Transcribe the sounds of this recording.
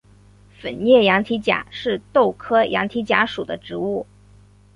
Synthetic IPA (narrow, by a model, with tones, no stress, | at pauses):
fə˨˩njɛ˥˩jɑ˧˥ŋt̪ʰi˧˥t͡ɕja̰˨˩˦ʂɻ̩˥˧t̪o˥˩ʊkʰɤ˥jɑ̰˧˥ŋt̪ʰi˧˥t͡ɕja˧˥ʂu˨˩d̪ə˦ʈ͡ʂɻ̩˧˥u˥˩